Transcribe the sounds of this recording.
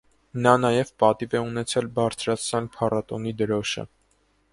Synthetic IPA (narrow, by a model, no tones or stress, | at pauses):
nɑnɑjɛvpɑt̪ivɛunɛt͡sʰɛlbɑɾt͡sʰɾɑt͡sʰnɑnpʰɑrɑt̪ɔnid̪əɾɔʃə̰